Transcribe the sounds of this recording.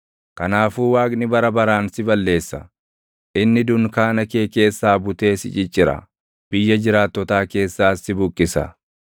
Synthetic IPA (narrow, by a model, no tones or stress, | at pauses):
kɐnaːfuːwaːkʼnɪbɐɾɐbɐɾaːnsɪbɐlːe̞ːsːɐ̰ | ʔɪnːɪd̪ʊnkaːnɐke̞ːke̞ːsːaːbʊt̪e̞ːsɪ̰t͡ʃʼɪt͡ʃʼːɪɾɐ̰ | b̥ɪjːɐd͡ʒɪɾaːt̪ːɔt̪aːke̞ːsːaːsːɪbʊkʼːɪsɐ̰